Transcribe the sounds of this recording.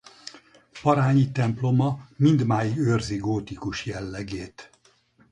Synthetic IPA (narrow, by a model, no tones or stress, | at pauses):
pɒɾaːɲit̪ɛmplo̞mɒmind̪maːjiørziɡoːt̪ikuʃjɛlːɛɡeːt̪